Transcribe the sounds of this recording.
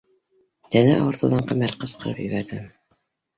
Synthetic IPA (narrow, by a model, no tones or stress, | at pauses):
t̪ænæʔɑ̰wɤ̆ɾt̪ɤ̆ðɑɴqæmæɾqɤsqɤ̆ɾɤ̰pjɘ̆βæɾðɘm